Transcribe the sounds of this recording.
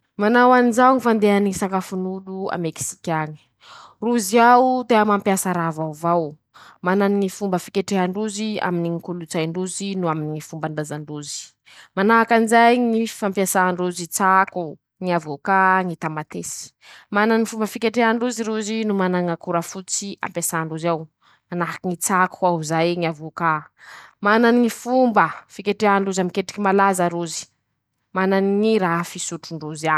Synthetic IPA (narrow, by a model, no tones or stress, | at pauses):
manawanizauŋifand̪eaniisakafunulua̰meki̥si̥kʲaɲi̥ | ruziawd̪eamampjasaɾavavaw | mananiŋifumbəfikʲeʈ͡ʂeɦaɳɖ͡ʐuzia̰miniŋikulut͡sajɳɖ͡ʐuzinuaminiŋifumbaɳdazaɳɖ͡ʐuzi̥ | manaakanzajŋifampjasaːɳɖ͡ʐuzit͡saku | ŋiavokaŋit̪amat̪esi̥ | mananiifumbəfikʲeʈ͡ʂeaɳɖ͡ʐuziɾuzinumanaŋakuɾafut͡sia̰mpjasaːɳɖ͡ʐuzaw | manaɦakiŋit͡sakuauzajŋiavoka | mananiŋifumbəfikʲeʈ͡ʂeaɳɖ͡ʐuzamikeʈ͡ʂi̥kimalazaɾuzi̥ | mananiŋiɾaɦfisuʈ͡ʂuɳɖ͡ʐuza